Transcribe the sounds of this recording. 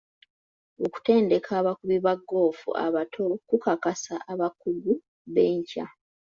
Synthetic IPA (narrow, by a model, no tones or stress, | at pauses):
o̞ku̥te̞ːnde̞kʰaːβakuβiβaɡːo̞ːfṵʔa̰βatʰo̞kukakasaʔaβakuɡu | βe̞ːɲca